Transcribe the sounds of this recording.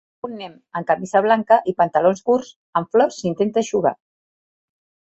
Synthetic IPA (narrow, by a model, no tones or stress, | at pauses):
unːem | əŋkamizaβ̞laŋkəʔipənt̪alonzɣuɾs | əɱflɔrsint̪ent̪eʃuɣa̰